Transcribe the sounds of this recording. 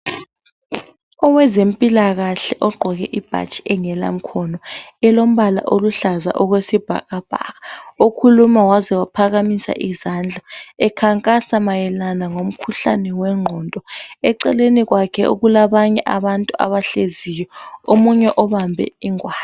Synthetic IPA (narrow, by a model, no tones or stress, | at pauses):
ɔwɛzempʼilaɣaɬɛʔɔɡ͡ǃʱɔɣɛʔib̥ʱa̰t͡ʃʼiɛŋɛla̰m̩kʰɔnɔɛlom̩βala̰ʔoluɬaza̰ʔɔɣwesib̥ʱa̰ɣab̥ʱa̰ɣaokʰulumawazɛwapʰaɣamisa̰ʔizand͡ɮʱaɛkʰaŋkʼasamajɛlanaŋom̩kʰuɬa̰nɛwɛŋ͡ǃʱɔntʼɔɛǀɛleniɣwakʰɛʔṵɣulaβaɲɛʔaβantʼua̰βaɬezijɔomuɲɛʔɔβambʱɛ̰iŋwaː